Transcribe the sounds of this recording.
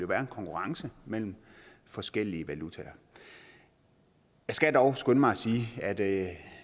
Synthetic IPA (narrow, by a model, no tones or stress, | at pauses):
jo̝ʋæːɐe̝nkʰɒ̽ŋkʰuʁɑ̈ŋsəmel̰m̩ | fɒ̽sɡ̥el̰iəʋælut͡sʰɛɐ | jɑ̈ɪsɡ̥æd̥ɒʊsɡ̥ønmɑ̈ɪsiːæd̥